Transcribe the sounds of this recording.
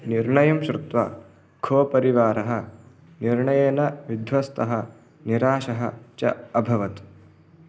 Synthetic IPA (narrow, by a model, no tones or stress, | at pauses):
niɾɳɐjɐmʃɾɪt̪ʋa̰ː | ɡʱʰoːpɐɾiʋaːɾɐɦɐ | niɾɳɐjeːnɐʋid̪ʱʋɐst̪ʰɐɦɐ | niɾaːʃɐɦɐ̰t͡ʃɐ̰ɐbʱɐʋɐt̪